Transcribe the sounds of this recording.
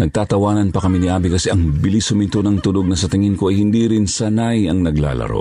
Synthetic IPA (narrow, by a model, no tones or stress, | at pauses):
nɐɡ̚t̪aːt̪ɐwaːnɐnpɐkɐminɪʔaːbikɐsɛʔɐŋbɪlisʊmɪnt̪onɐŋt̪ʊloɡ̚nɐsɐt̪ɪŋɪnkoʔɐjhɪnd̪iːɾɪnsɐnajɐŋnɐɡla̰ːlɐ̰ɾo̰